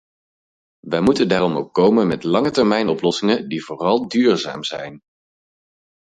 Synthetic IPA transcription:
ʋəjmutəndaːɾɔmowkːowmənmɛtlɑŋətɛɹmɛjnɔplɔsɪŋəndivoːrɑlˠdyːɹza̰ːmzɛ̰jn

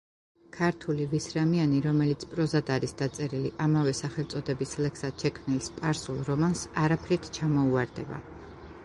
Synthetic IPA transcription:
kʰaɾt̪ʰulivisɾamianiɾɔmɛlit̪sʰpʼɾɔzad̪aɾisd̪̥at̪sʼɛɾiliʔamavɛsaχɛlt̪sʼɔd̪ɛbislɛkʰsad̪̥ʃɛkʰmnilspʼaɾsulˠɾɔmansaɾapʰɾit̪ʰt͡ʃʰamɔuaɾd̪ɛ̰ba̰

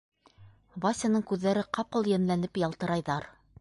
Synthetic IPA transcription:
vɑsʲanɤɴkʉðːæɾɘqɑpɤlˠjænlænɘpjɑlˠt̪ɤ̆ɾɑjðɑɾ

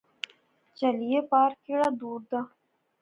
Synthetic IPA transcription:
t͡ʃɐlijepaːɾkeɽad̪uːɾd̪aː

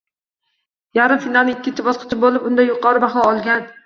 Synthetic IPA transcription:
jaɾɪmfinalˠnɪŋɪkʲːɪt͡ʃ̪ʰɪbɒsqʰɨ̥t͡ʃʰɪbolˠɪpʊnd̪ajʊqʰɒɾɪbaχnɑɒlˠɡʲan

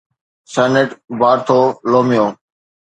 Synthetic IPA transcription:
sɛːneʈbaːɾt̪ʰoːloːmɪjoː

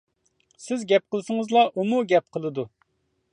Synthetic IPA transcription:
sɪzɡʲɛp̚qəlˠɨsɨŋɨzlˠɑʔumuɡʲɛp̚qʰəlˠɨd̪u

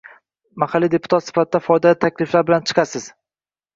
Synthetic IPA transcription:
maχalːid̪e̞pʰʊ̥t̪ʰat̪sɪ̥fat̪̚ɪd̪afɒjd̪alɪt̪ʰakʲlɪflaɾbɪlant͡ʃʰɨ̥qʰɑsɪz̥

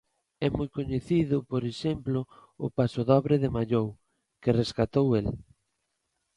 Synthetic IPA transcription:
ɛmojkoɲeθiðʊpoɾeʃemplʊʊpasoðɔβɾɪðemaʎow | kɪreskat̪owel

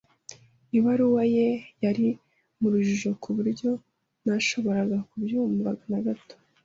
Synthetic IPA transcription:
iβaɾuwaje̞jaɾi | muɾuʒuʒo̞kʰuβuɾɟo̞ | naʃo̞βo̞ɾaɡakubjumuvaɡanaɡato̥

